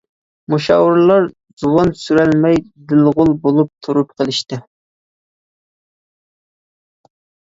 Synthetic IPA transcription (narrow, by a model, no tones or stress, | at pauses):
muʃɑ̰wɨɾlˠɑɾ | z̥uwɑnsyɾælmɛjd̪ɪlʁʊlˠbolˠup̚t̪ʰuɾup̚qʰəlˠɪʃt̪ɪ